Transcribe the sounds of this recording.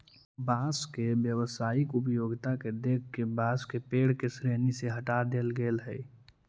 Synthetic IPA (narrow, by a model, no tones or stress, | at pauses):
baːskebjəwəsaːɪkʊp̬joːɡt̪aked̪eːkʰkebaːskepeːɽ̤kesɾeːniseɦəʈad̪eːlɡeːlɦɛi